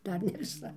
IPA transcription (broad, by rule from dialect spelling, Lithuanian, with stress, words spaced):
ˈdɐr nʲɛ ʋʲɪˈsɐ